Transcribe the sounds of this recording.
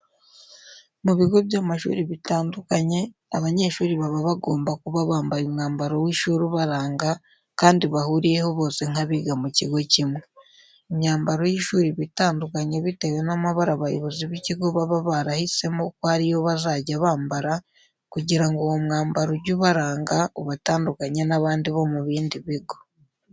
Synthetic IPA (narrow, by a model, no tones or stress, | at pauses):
muβiɡo̞bjaːmaʃṵːɾiβitaːndukaɲe̞ | aβaɲe̞ʃuːɾiβaβaβaɡo̞ːmbakuβaβaːmbaɾumŋaːmbaɾo̞wiːʃuːɾuβaɾaːŋɡa | kaːndiβahuɾije̞ho̞βo̞ːse̞ŋ̥aβiɡamuciɡo̞cimwe | eɲɲaːmbaɾo̞jiʃuːɾiβitaːndukaɲeβite̞we̞namaβaɾaβajoβuziβiciɡo̞βaβaβaɾahise̞mokohaɾijoβazaɟaβaːmbaɾa | kuɟiɾaŋɡoːmŋaːmbaɾuɟuβaɾaːŋɡauβataːndukaɲenaβaːndiβo̞muβiːndiβiɡo̞